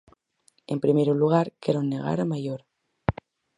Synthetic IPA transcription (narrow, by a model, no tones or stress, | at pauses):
e̞mpɾimeɾuluɣ̞aɾkeɾonːe̞ɣ̞a̰ɾamajoɾ